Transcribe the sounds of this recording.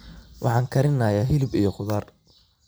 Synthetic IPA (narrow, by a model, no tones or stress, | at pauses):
wʔɑ̰ħɑːŋkʰɐɾɪnɐːjaɦɪlɪbijɔχʊðaːr